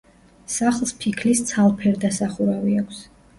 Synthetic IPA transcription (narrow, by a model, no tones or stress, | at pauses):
saχlˠspʰikʰlist̪sʰalˠpʰɛɾd̪asaχuɾaviakʷʰs